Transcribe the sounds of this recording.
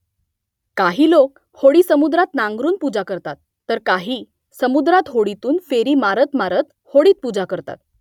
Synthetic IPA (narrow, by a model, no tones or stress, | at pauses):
kaɦiːlok̚ | hoɽiːsəmud̪ɾat̪nãŋɡɾuːnpud͡zakəɾt̪at̪ːəɾkaɦiː | səmud̪ɾat̪ɦoɽit̪uːnfeɾiːmaɾət̪maɾət̪ | hoɽiːt̪̚pud͡zakəɾt̪a̰t̪̚